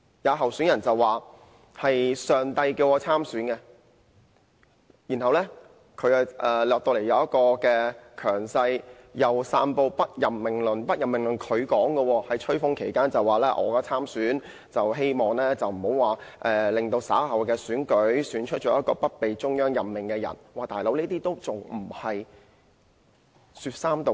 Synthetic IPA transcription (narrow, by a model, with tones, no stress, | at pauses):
jɐː˨˧ɦɐ˨wsyː˨˥njɐ˨˩nt͡sɐ˨waː˨ | hɐ˨jsœː˨ŋt̪ɐ˧jkiː˧wʔɔː˨˧t͡sʰaː˥msyː˨˥nkɛ˧ | jiː˨˩nɦɐ˨wlɛː˥ | kʰɵ˨˧ɥɐ˨ʔɛː˨˩lɔː˨k̚t̪o˧wle˨˩jɐ˨˧wjɐ˥kɔː˧kɛː˧kʰœː˨˩ŋsɐ˧jjɐ˨wsaː˧npo˧wpɐ˥t̚jɐ˨mːɪ˨˩ŋlɵ˨˩npɐ˥t̚jɐ˨mɪ˨ŋlɵ˨˩nkʰɵ˨˧ɥkɔː˨˥ŋɡɛ˧wɔː˧hɐ˨jt͡ʃʰɵ˥fʊ˥ŋkʰe˨˩jkaː˥nt͡sɐ˨waː˨lɛː˥ʔɔ̰ː˨˧kaː˧t͡sʰaː˥msyː˨˥n | t͡sɐ˨wɦe˥jmɔː˨˩ŋlɛː˥t͡sɐ˨wm̩˨˩ho˨˥waː˨˩ʔɛː˨lɪ˨ŋt̪o˧wsa̰ː˨˥hɐ˨wkɛː˧syː˨˥nkɵ˨˥ɥsyː˨˥nt͡ʃʰɵ˥t͡ʃɔː˨˥jɐ˥t̚kɔː˧pɐ˥t̚pe˨jt͡ʃʊ˥ŋjœː˥ŋjɐ˨mmɪ˨˩ŋkɛː˧jɐ̰˨˩nwaː˨˧t̪aː˨jlo˨˧˥wniː˥t̪iː˥t̪o˥wt͡sʊ˨˩ŋm̩˨˩hɐ˨j | syː˧t̚saː˥mt̪o˧